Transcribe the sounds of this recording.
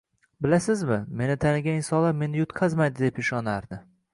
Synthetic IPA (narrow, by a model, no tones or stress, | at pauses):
bɪlasɪzmɪme̞nɪt̪ʰanɪɡʲaɪnsɒlaɾme̞nɪjʊt̪qʰazmajd̪ɪd̪e̞pɪʃɒnaɾd̪ɪ